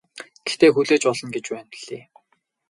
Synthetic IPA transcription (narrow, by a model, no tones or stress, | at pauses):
ɡ̥e̥xt̪eːxuɮeːt͡ɕpɔɮɞ̆nɡet͡ɕpæːnɮ̥eː